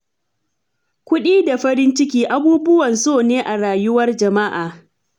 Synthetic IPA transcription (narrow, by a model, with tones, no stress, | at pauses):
kʷʊ˦ɗiː˦da˨ɸɐ˦ɾɪ˦nt͡ʃɪ˦k̬ʲiː˦ʔa˦buː˦bʊ˦wɐ˨nsoː˦˨neː˦ʔa˨ɽaː˨jʊ˦wɐ˦rd͡ʒɐ˨ma˦ʔaː˨